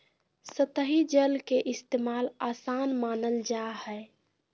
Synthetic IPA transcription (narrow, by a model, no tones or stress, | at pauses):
sət̪əɦid͡ʒəlkeʔɪst̪eːmaːlaːsaːnmaːnəld͡ʒahɛ